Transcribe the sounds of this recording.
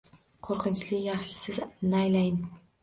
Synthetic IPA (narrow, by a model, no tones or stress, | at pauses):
qʰoɾqʰɨnt͡ʃlɪjɑχʃɪ̥sɪznajlajɪn